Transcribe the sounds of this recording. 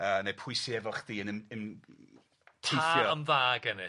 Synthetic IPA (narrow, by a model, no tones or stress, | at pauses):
əːnepʰʊɨsiɛvɔχdiːənənən | tʰeaθjɔəmvaːɡɛnɪ